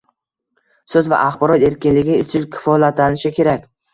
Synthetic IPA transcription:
sɵzva̰ʔaχbɒɾɒt̪e̞ɾkʲɪnlɪɡʲɪɪst͡ʃʰɪlkʲʰɪ̥fɒlat̪anɪʃɪkʲʰe̞ɾakʲ

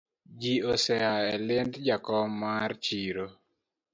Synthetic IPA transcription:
d͡ʒiosɛaɛlɪndd͡ʒakɔmart͡ʃiɾo

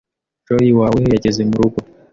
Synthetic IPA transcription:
ʒojiwaːwehejaɟezemuɾuɡo

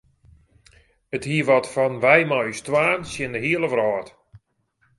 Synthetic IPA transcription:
əthiːəʋɔtfɔnʋɛjmɔjstʋaːnsjɪndəɦiələʋrɔːt

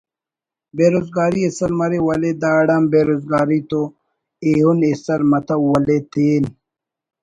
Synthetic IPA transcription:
beːɾoːzɡaːɾiesɐɾmɐɾewɐled̪aːɽambeːɾoːzɡaːɾit̪o | eɦunesɐɾmɐt̪ɐwwɐlet̪ʰeːn

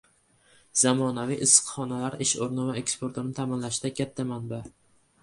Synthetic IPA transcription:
z̥amɒnaviʔɪsɨ̥qχɒnalaɾɪʃoɾnɪvaekspoɾt̪ʰoɾnɪt̪ʰamɪnlaʃɪd̪akʲʰat̪ʰːamanba

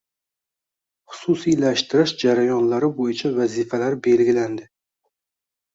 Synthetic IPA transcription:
χʊ̥susijlaʃt̪ʰɪɾɪʃd͡ʒaɾajɒnlaɾɪbojɪt͡ʃʰavazifalaɾɪbe̞lɡʲɪland̪ɪ

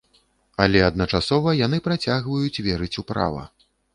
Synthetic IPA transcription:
alʲɛɐd̪̚nɐt͡ʂasɔvɐjan̪ɨpɾat͡sʲaɣvɐjut͡sʲvʲɛɾɨt͡sʲupɾa̰vɐ̰

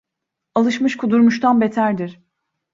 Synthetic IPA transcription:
alˠɯʃmɯʃkʰud̪uɾmuʃt̪ʰanbet̪ʰæɾd̪iɾ̥

